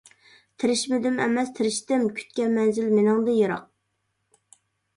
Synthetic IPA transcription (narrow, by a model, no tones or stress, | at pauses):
t̪ʰɪɾɪʃmɪd̪ɪmɛ̰mɛst̪ʰɪɾɪʃt̪ɪmkʲʰy̥t̪̚kʲɛmɛnzɪlmenɪŋd̪ɨjɨɾɑq̚